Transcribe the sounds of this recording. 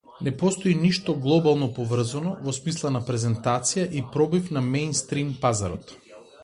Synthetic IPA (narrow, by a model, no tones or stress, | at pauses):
nɛpɔst̪oiniʃt̪ɔɡlˠɔbalˠnɔpɔvr̩zanɔvɔsmislˠanapɾɛzɛnt̪at̪sijaʔipɾɔbifnamɛjnst̪ɾimpazaɾɔt̪